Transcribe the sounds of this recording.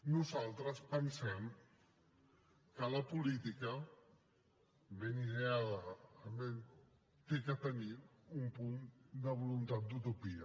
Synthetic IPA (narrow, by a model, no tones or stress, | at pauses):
nuzalˠt̪ɾəspənsɛm | kələpulit̪ikə | βeniðeaðəːben | t̪ekət̪əni | umpund̪əβ̞ulunt̪at̪̚d̪ut̪upiə